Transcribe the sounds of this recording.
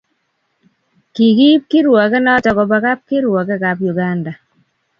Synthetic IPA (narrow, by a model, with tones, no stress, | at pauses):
ki˨ki˦p̚ki˦ɾwɔ˨kɛ˦nɔ˦tɔ˨kɔ˨ba˨ka˦p̚ki˦ɾwɔ˨kɛ˦ka˨pju˨ɡa˦nda˨